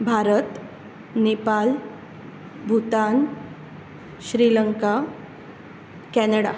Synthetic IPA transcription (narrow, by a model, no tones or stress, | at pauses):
bʱaɾət̪ | nepal | bʱut̪an | ɕɾiləŋka | kɛnəɽa̰